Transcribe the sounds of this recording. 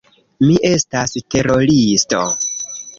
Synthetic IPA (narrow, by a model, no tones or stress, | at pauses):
miʔe̞staste̞ɾo̞listo̞̰